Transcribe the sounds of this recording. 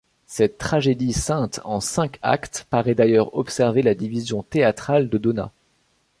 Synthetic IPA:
sɛt̪ːχaʒed̪isɛ̃t̪ɑ̃sɛ̃ka̰kt̪paʁɛd̪ajœʁɔpsɛʁvelad̪ivizjɔ̃t̪eat̪χald̪əd̪ona̰

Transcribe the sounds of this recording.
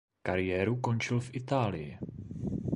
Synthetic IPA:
kaɾɪjɛːɾuko̞nt͡ʃɪlfʔɪt̪aːlɪjɪ̰

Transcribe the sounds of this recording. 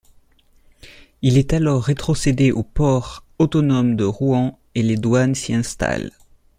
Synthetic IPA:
ilɛt̪alɔʁːet̪χɔsed̪eʔopɔʁot̪ɔnɔmd̪əʁuɑ̃ | eled̪wansiɛ̃st̪a̰l

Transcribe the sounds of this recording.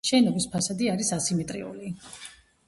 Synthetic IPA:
ʃɛnɔbispʰasad̪iaɾisasimɛt̪ʼɾḭṵli

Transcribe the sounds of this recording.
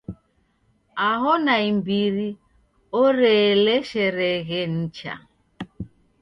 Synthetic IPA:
aɦɔnaimbiɾi | ɔɾɛlɛʃɛɾɛɣɛn̩t͡ʃa̰

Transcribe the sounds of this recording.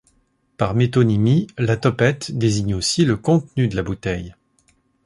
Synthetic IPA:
paʁmet̪onimilat̪ɔpɛt̪d̪eziɲosiləkɔ̃t̪nyd̪əlabut̪ɛj

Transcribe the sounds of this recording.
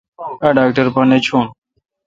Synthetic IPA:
aɖaːk̚ʈəɾpɐnet͡ʃʰuːn

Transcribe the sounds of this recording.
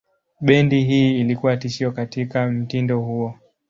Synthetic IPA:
ɓɛndiɦiːlikuwatiʃiɔkatikam̩tindɔhuɔ

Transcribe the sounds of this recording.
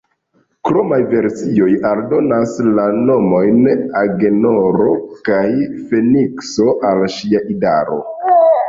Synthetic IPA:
kɾomajve̞ɾsio̞jaldo̞naslano̞mo̞jnaɡeno̞ɾo̞kajfe̞nikso̞ʔalʃiaʔidaɾo̞̰

